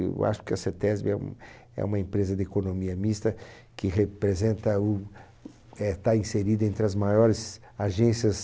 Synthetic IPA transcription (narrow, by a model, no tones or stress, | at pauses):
ḛwa̰ʃʊ̥kɪɐset̪ɛzbɪɛṵ̃m | ɛ̰ũmɐẽmpɾezɐd̪ɪekonõmiɐmist̪ɐ | kɪɦepɾezẽnt̪ɐʊ | ɛt̪aĩseɾid̪ɐẽnt̪ɾɪɐzmajɔɾɪz | aʒẽsiɐs